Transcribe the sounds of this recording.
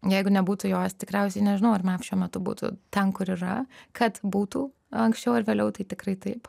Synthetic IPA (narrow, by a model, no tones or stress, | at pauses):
jɛɪɡʊnʲɛbuːt̪ʊjoːst̪ʲɪkɾʲɛʊsʲɛɪnʲɛʒʲɪnɐʊɐrmɐʃʲuɔmʲɛt̪ʊbṵːt̪ʊ̰t̪ʲɛnkʊɾɪɾɐkɐt̪buːt̪uː | ɐŋksʲt͡ʃʲɛʊɪɾʋʲeːlʲɛʊt̪ɐɪt̪ʲɪkɾɐɪt̪ɐɪp